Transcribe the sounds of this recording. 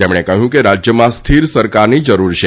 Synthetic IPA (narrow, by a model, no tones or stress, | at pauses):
emɽ̃ekəɦjũkeɾad͡ʒjəmãst̪ʰiɾsəɾkaɾnid͡ʒəɾuɾʃʰe